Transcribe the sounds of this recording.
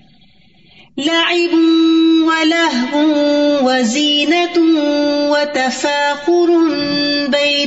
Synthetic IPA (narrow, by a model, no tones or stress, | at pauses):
laʕɪbʊwalaɦbʊwaziːna | wat̪afaːqʊɾnba